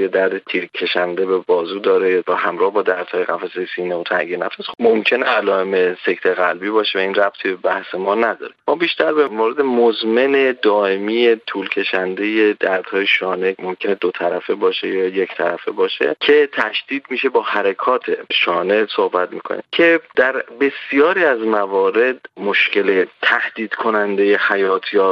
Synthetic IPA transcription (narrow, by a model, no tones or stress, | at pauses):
jed̪æɾd̪et̪ʰiːɾkʰe̞ʃænd̪e̞be̞bɒːzuːd̪ɒːɾevæhæmɾɒːhbɒːd̪æɾd̪̥hɒːjeɣæfæsejesiːneot̪ʰæ̰ɟenæfæsmomcʲʰe̞neælɒːeme̞se̞ct̪ʰeɣælbiːbɒːʃevæiːnræb̥̚t̪ʰibebæhse̞mɒːnæd̪ɒ̰ːɾemɒːbiːʃt̪ʰæɾbemoɾed̪emozme̞ned̪ɒːʔe̞miːje̞t̪ʰuːlcʰe̞ʃænd̪e̞je̞d̪æɾd̪̥hɒːjeʃɒːne̞mo̞mcʰe̞ned̪ot̪ʰæɾæfebɒːʃejɒːjecʰt̪ʰæɾæfebɒːʃḛcʰe̞t̪ʰæʃd̪̥iːd̪miːʃe̞bɒːhæɾekʰɒːt̪ʰe̞̰ʃɒːne̞sohbæt̪miːkʰo̰nḭːmcʰe̞d̪̥æɾbe̞sijɒːɾiːæzmævɒːɾe̞d̪moʃce̞let̪ʰæhd̪̥iːd̪̥kʰo̞nænd̪e̞jehæjɒːt̪ʰjɒː